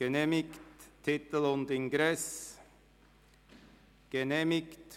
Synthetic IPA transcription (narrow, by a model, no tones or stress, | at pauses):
ɡ̥ɛneːmɪkt̪ʰːɪt̪əl̩ɔnd̪ɪŋɡɾɛs | ɡ̥ɛnemɪkt̪